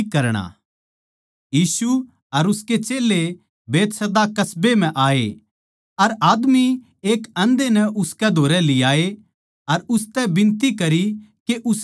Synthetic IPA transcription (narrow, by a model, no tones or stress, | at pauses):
kːɐɾɽ̃a̰ | jiːsu | ɐɾʊsket͡ʃeːle | beːt̪sɐd̪akɐsbem̤ɛ̃ʔaːḛ | ɐɾaːd̪mi | eːkɐ̃nd̪enɛʔʊskɛd̪ʱoːɾɛlɪjaːe | ɐɾʊst̪ɛbɪ̃nt̪ikɐɾikeʔʊs